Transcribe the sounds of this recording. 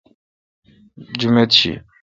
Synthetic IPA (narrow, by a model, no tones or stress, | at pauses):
d͡ʒumet̪̚t͡ɕʰḭ